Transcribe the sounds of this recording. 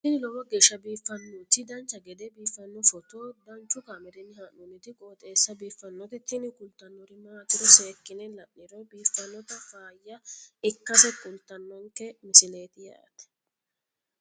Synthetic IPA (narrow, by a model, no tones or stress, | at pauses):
t̪ːɪnɪlɔwɔɡeːʃːɐbiːfːɐnːut̪ːɪd̪ɐnt͡ʃːɐɡɛd̪ɛbiːfːɐnːʊfɔt̪oːd̪ɐnt͡ʃːʊkaːmɛɾɛnɪhɐnʊnːɪt̪ɪkʼoːt̪ʼe̞ːsːɐbiːfːɐnːɔt̪ɪt̪ːɪnɪkʼʊlt̪ːɐnːɔɾɪmaɐt̪ɪɾɔseːkːɪnɛlɐʔnɪɾɔbiːfːɐnːɔt̪ɐfaːjːɐɪkːɐsɛkʼʊlt̪ːɐnːɔŋkɛmɪsɪneːt̪ɪja̰ːt̪ɛ̥